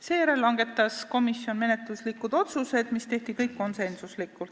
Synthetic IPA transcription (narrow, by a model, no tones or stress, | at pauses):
se̞ːjæɾe̞lːɑŋɡ̥e̞t̪ːˑɑsko̞misːio̞nme̞ne̞t̪luslikːˑud̪̥o̞t̪suse̞d̪̥mist̪e̞ht̪ikɤjkːo̞nse̞nsuslikːˑult̪